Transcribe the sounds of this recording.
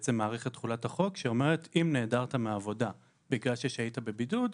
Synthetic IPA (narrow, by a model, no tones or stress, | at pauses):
t͡semːaːʁeχet̪ːχulathaχo̞kʃeo̞me̞ʁ̞etimne̞ːdaʁtameːvo̞da | biɡlalʃeʃaitabe̞bidud